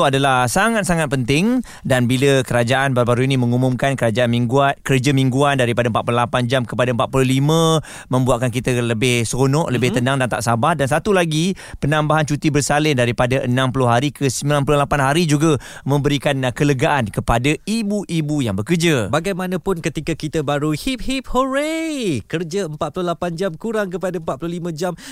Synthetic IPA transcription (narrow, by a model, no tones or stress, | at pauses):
adalahsaŋat̪̚saŋat̪̚pənt̪ɪŋ | danbiləkəɾad͡ʒaʔanbaɾubaɾuinimə̃ŋumʊmkankəɾad͡ʒaanmiŋɡuat̪̚kərd͡ʒəmiŋɡuandaɾipadaəmpat̪̚pululapand͡ʒamkəpadaəmpat̪̚pululimə̃ | mə̃mbuat̪̚kankit̪ələbɪhsɾonɔʔləbɪht̪ənaŋdant̪a̰ʔsabahdansat̪ulaɡi | pənãmbaɦant͡ʃut̪ibərsalɪndaɾipadaʔənãmpulʊhɦaɾikʰəsəmilanp̬uluhlapanɦaɾid͡ʒuɡa | mə̃mbəɾikankələɡaʔankəpadaibuʔibujaŋbəkərd͡ʒabaɡajmãnãpʊnkət̪ikakit̪abaɾuhip̚hip̚hoɾekərd͡ʒaəmpat̪̚pululapand͡ʒamkuɾaŋkəpadaəmpat̪̚pululimə̃d͡ʒam